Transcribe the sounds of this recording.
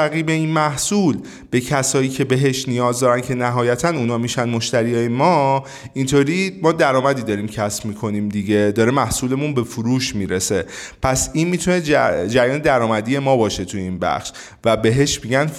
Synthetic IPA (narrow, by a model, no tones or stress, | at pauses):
æɣiːbe̞inmæhsuːl | b̥e̞cʰæsɒːjiːcʰe̞be̞ɦeʃnijɒːzd̪ɒːɾæncʰe̞næɦɒːjæt̪ʰænuːnɒːmiʃænmo̞ʃt̪æɾijɒːjemɒ | int̪ʰoːɾiːmɒːd̪æɾɒːmæd̪iːd̪ɒːɾiːmcʰæsb̥miːkʰo̞nimd̪iɟe̞d̪ɒːɾemæhsuːle̞munbe̞fuɾuːʃmiːɾese̞pʰæsinmiːt̪ʰune̞d͡ʒd͡ʒæɾjɒːned̪æɾɒːmæd̪iːje̞mɒːbɒːʃe̞t̪ʰuiːnbæ̰xʃ | væbe̞ɦe̞ʃmiɡæn